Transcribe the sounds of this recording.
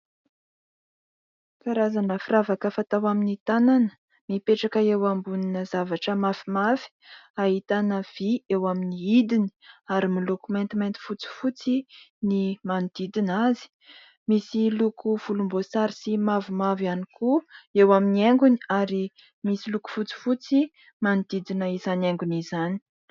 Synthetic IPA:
faɾazanəfiravakəfat̪awaminit̪ananə̥ | mipeʈ͡ʂakəewambuninəzavaʈ͡ʂəmafimafi̥aɦit̪anəv̥iewaminiid̪ini̥aɾimilokument̪iment̪i̥fut͡si̥fut͡sinimanid̪̥id̪inazi̥ | misilukuv̥ulumbosaɾisimavimavianikuewaminieŋɡuniaɾi | misiluku̥fut͡si̥fut͡si | manid̪̥id̪inəizaneŋɡunizani̥

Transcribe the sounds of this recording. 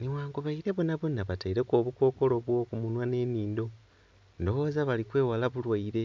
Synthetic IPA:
niwaːŋɡoβaiɾe̞βonaβonaβataiɾe̞koːβuko̞ːko̞lo̞βwo̞ːkumunwane̞ːniːndo̞ | ndo̞wo̞ːzaβalikwe̞ːwalaβulwaiɾe̞

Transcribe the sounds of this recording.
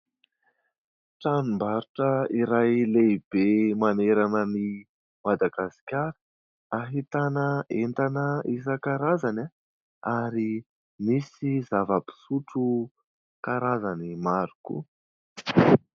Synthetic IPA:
ʈ͡ʂanumbaɾuʈ͡ʂəiɾajleb̥emaneɾanəni | mad̪aɡasi̥kʲaɾə̥ | aɦit̪anəent̪anəʔisəkaɾazana | aɾi | misizavəpi̥suʈ͡ʂu | kaɾazanimaɾukṵ

